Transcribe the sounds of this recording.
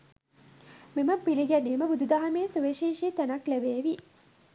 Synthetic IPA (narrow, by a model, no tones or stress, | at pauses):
meməpiliɡæniːməbud̪ud̪aɦameːsuʋeʃiːʃit̪ænɐklebeːʋi